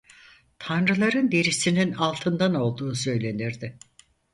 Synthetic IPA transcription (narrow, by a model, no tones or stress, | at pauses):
t̪ʰanɾɯlˠaɾɯnd̪e̞ɾisininalˠt̪ʰɯnd̪ano̞lˠd̪uːsø̞jlʲe̞niɾd̪ɪ